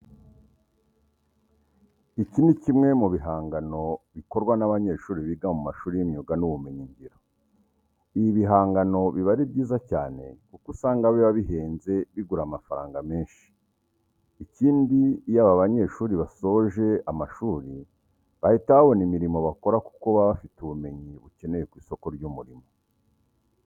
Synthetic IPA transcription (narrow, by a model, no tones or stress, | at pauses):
icinicimŋe̞muβiɦaːŋɡano̞βiko̞ɾɡwanaβaɲe̞ʃuːɾiβiːɡamumaʃuːɾijimɲuɡanuβumeɲiɲɟiɾo | ijiβiɦaːŋɡano̞βiβaɾibɟiːzaca̰ːne̞kukusaːŋɡaβeβaβiɦe̞ːnze̞βiɡuɾamafaɾaːŋɡame̞ːnʃi̥ | iciːndijaβaβaɲe̞ʃuːɾiβaso̞ʒe̞amaʃuːɾi | βahitaβo̞nimiɾimo̞βako̞ɾaku̥koβaβafituβume̞ɲiβuce̞ne̞je̞kwiːso̞ko̞ɾɟumuɾimo̞